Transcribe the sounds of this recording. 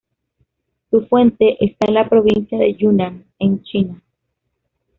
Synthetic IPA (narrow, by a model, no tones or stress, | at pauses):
sufwe̞nt̪e̞ʔest̪anlapɾo̞βinsjaðe̞ʝunan | ent͡ʃina